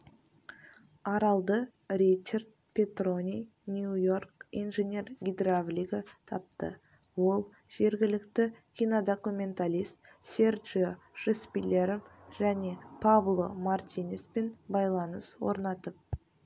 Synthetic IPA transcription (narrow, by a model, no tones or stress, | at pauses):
ɑɾɑlˠd̪ə | rʲit͡ʃːard̪̚ | pʲe̞t̪ro̞nʲij | nʲujo̞rkḭnʒe̞nʲe̞rɡʲid̪ravlʲiɡət̪ʰɑp̚t̪ə̰ | wo̞lˠ | ʒ̥e̞ɾɡʲɪlɪkt̪ɪkʲʰijnod̪o̞kumʲe̞nt̪alʲist̪ | sʲerʒoʒ̥espʲilʲe̞ɾmʒ̥æne̞pʰavlˠo̞mart̪ʲinʲespe̞nbɑjlˠɑnəswo̞̰ɾnɑt̪əp̚